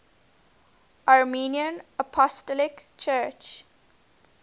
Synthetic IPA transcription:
ʔaɹmiːniə̃nəpʰɔstəlɪkt͡ʃʰɜːt͡ʃ

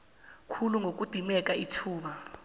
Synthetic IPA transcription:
kʰuluŋɡʱok̬ʼud̥ʱimɛk̬ʼaitʰuːɓa

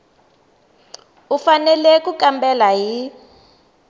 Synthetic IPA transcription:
ufanɛlɛkukʼambɛlaɦi

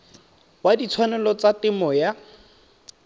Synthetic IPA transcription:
wadit͡sʰwanɛlɔt͡satɪmɔja

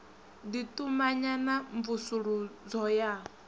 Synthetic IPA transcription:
d̪it̪ʼumaɲanaɱvusuɺud͡zɔja

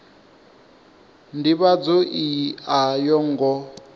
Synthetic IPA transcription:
ndiβad͡zɔʔiajɔŋɡɔ

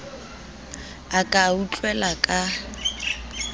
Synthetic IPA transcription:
akʼaut͡ɬʼwɛlakʼa

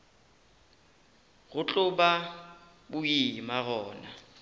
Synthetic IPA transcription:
ɣʊt͡ɬʼʊba | bʊimaɣɔːna

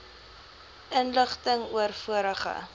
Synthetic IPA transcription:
ʔənləχtəŋuərfuəɾəχə̰

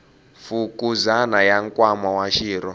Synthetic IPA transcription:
fukuzanajaŋkʼwamawaʃiːɾɔ

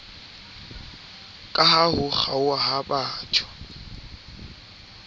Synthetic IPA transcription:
kʼaɦahʊχaʊaɦabaːt͡ʃʰʼɔ̥

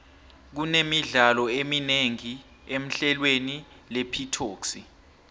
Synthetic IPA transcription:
k̬unemiɮalɔemineŋi | em̩ɬɛlweni | lepʰitʰoːksi

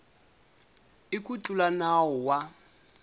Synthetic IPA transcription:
ɪkʼut͡ɬʼulanaɔwa

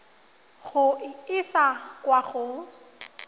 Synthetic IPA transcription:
ɣʊɪsakwaχʊ

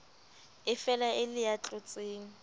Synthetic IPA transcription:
ɪfɛlaʔɪlɪjat͡ɬʼʊt͡sʼeːŋ̩

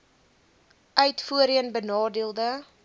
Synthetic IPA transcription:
ʔœɥtfuəɾiənbənɑːdiəlˠdə

